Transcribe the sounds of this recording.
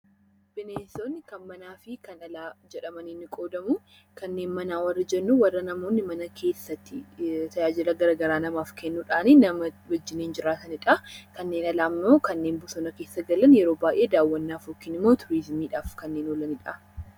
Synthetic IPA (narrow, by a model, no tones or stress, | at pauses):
b̥ɪneːsoːnːɪkɐnmɐnaːfɪkɐnɐlaːd͡ʒɛᶑɐmɐnɪnːɪkʼo̞ːd̪ɐmʊ | kɐnːe̞ːnmɐnaːwɐrːɐd͡ʒɛnːuwɐrːɐnɐmo̞ːnːɪmɐnɐkʰe̞ːsːɐt̪ːɪt̪ɐjaːd͡ʒɪlɐɡɐɾɐɡɐɾaːnɐmaːfkɛnːuːᶑaːninɐmɐwɐd͡ʒːɪneːnd͡ʒɪɾaːt̪ɐnɪᶑɐkɐnːe̞ːnɐlaːmːoːkɐnːe̞ːnbʊsɔnɐke̞ːsːɐɡɐlɐnjɛɾoːbaːjʔe̞ːd̪aːwːɐnːaːfoːkːɪnɪmːoːt̪ʰʊɾɪzmiːᶑaːfkɐnːeːnɔlɐnɪᶑɐ